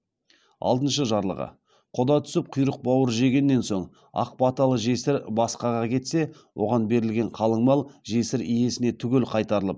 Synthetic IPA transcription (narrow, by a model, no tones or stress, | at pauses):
ɑ̰lˠd̪ənʃəʒɑɾlˠə̰ʁə̰ | qʰod̪ɑt̪ʰʏ̥sɪp̚qʰʊjɾəq̚bɑwəɾʒe̞ɡʲe̞nːe̞nso̞ɴ | ɑ̰q̚bɑt̪ɑlˠəʒe̞sɪɾbɑsqɑʁɑkʲʰe̞t̪se̞ | wʔo̞̰ʁɑnbe̞ɾɪlɡʲe̞ɴqʰɑlˠəɴmɑlˠʒe̞sɪɾije̞sɪne̞t̪ʰʏɡʲe̞lqʰɑjt̪ɑɾəlˠəp̚